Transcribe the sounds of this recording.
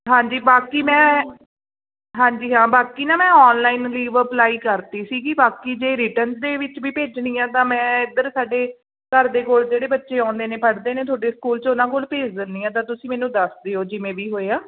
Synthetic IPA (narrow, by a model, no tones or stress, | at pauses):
ɦãːɲd͡ʒiːbaːkiːmɛ̃ː | ɦãːɲd͡ʒiːɦãːbaːkiːnãːmɛ̃ːɔːnlaːiːnliːʋəplaːiːkəɾt̪iːsiːkɪbaːkiːd͡ʒeːɾɪːʈənsd̪eːʋɪt͡ʃʋiːpeːd͡ʒɳiːãːt̪ãːmɛ̃ːɪd̪əɾsaːɖeː | kəɾd̪eːkoːld͡ʒeːɽeːbətːʃeːãːʊ̃nd̪eːneːpʰəɽd̪eːnẽːt̪ʰoaːɖeːskuːlt͡ʃʊnãːkoːlpeːd͡ʒd̪ɪnd̪iːãːt̪̬ãːt̪ʊsĩːmɛːnũːd̪əsd̪eːoːd͡ʒɪmẽːʋiːɦoːeːaː